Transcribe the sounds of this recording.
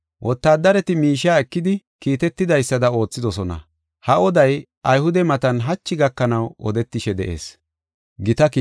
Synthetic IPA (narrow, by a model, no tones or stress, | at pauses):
wʔɔt̪ːaːd̪ɐɾɛt̪ɪmiːʃaːɛkːɪd̪ɪ | kiːt̪ɛt̪ːɪd̪ɐjsːɐd̪ɐo̞ːt͡sːɪd̪ɔsɔnɐ̰ | hɐɔd̪ɐj | ʔɐjhʊd̪ɛmɐt̪ɐnɦɐt͡ʃːɪɡɐkːɐnɐwɔ̰d̪ɛt̪ːɪʃɛd̪ɛ̰ʔe̞̰ːs | ɡɪt̪ɐki